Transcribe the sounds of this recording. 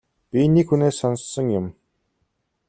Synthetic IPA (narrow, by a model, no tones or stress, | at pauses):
pʲinikxuneːsːɔnsːə̆ŋjʊm